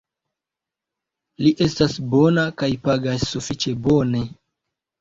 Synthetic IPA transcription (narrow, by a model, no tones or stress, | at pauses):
liʔe̞stasbo̞nakajpaɡasːufit͡ʃe̞bo̞ne̞